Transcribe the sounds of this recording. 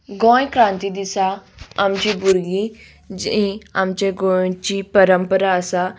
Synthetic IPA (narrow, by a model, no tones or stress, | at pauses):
ɡõːkɾãːnt̪id̪isaamt͡ʃibuɾɡi | d͡ʒĩamt͡ʃeɡõt͡ʃipəɾəmpəɾasa